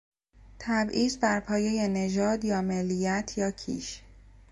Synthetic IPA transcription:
t̪ʰæbʔiːzbæɾpʰɒːje̞je̞ne̞d͡ʒɒːd̪jɒːmelːijæt̪ʰjɒːcʰḭːʃ

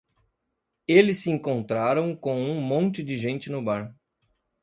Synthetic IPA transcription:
elɪsːɪẽŋkõnt̪ɾaɾɐ̃w̃kõũmõnt͡ʃɪd͡ʒɪʒẽnt͡ʃɪnʊbaɾ

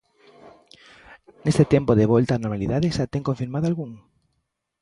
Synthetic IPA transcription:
nest̪et̪empoðeβɔlt̪aːnoɾmaliðaðeʃat̪eŋkõɱfiɾmaðoalɣuŋ

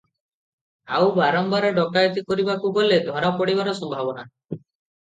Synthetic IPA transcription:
awbaɾɔmbaɾɔɖɔkajt̪ikɔɾibakuɡɔled̪ʱɔɾapɔɽibaɾɔsɔmbʱabɔna

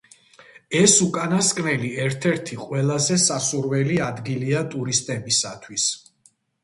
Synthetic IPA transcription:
ɛsukʼanaskʼnɛliɛɾt̪ʰɛɾt̪ʰiqʼwɛlˠazɛsasuɾwɛliad̪ɡiliat̪ʼuɾist̪ʼɛbisat̪ʰwis

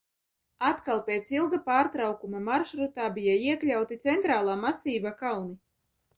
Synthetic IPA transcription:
at̪kalˠpʲeːt̪silˠɡapaːɾt̪ɾawkumamaɾʃɾut̪aːbʲijaiɛklʲawt̪it̪sɛnt̪ɾaːlˠaːmasiːbakalˠni

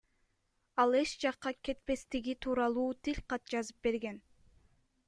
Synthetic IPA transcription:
ɑlˠe̞ʃd͡ʒɑqːɑke̞t̪̚pe̞st̪iɡit̪ʰuːɾɑlˠuːt̪ilʲqɑt̪̚d͡ʒɑzɯp̚be̞ɾɡe̞n

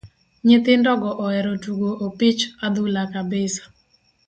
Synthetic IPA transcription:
ɲɪt̪ɪndɔɡɔʔɔɛɾɔtuɡoʔopit͡ʃad̪ʊlakabɪsḁ

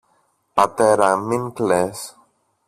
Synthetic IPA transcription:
pat̪ɛɾamiŋkles

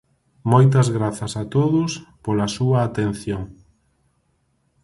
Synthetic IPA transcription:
mojt̪̬ɐzɣɾaθɐsat̪oðʊspolɐsuɐːt̪en̟θjoŋ

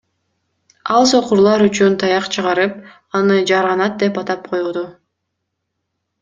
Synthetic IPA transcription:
ɑlˠso̞quɾlˠɑɾyt͡ʃynt̪ʰɑjɑqt͡ʃʰɯʁɑɾɯp̚ | ɑnɯd͡ʒɑɾʁɑnɑt̪̚d̪e̞pɑt̪ɑp̚qʰo̞jud̪u

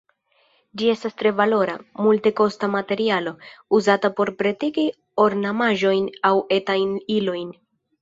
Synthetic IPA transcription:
d͡ʒie̞stastɾe̞valo̞ɾamulte̞ko̞stamate̞ɾialo̞uzatapo̞ɾpɾetiki | o̞ɾnamaʒo̞jnawe̞tajnilo̞jn

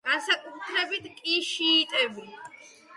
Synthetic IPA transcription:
ɡ̥ansakʼut̪ʰɾɛbit̪ʰkʼiʃiːt̪ʼɛvi

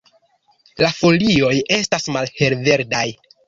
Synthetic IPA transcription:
lafo̞lio̞je̞stasmalhe̞lve̞ɾdaj

